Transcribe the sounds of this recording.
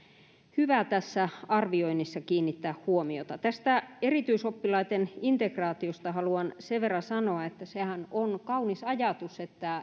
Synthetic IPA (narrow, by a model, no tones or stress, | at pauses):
hyʋæt̪æsːæɑrʋioinisːɑkiːnːit̪ːæːhhuomiot̪ɑt̪æst̪æerit̪yisopːilɑit̪enint̪ekrɑːt̪iost̪ɑhɑluɑnseʋʋerːɑsɑnoɑet̪ːæsehænonkɑunisɑjɑt̪uset̪ːæ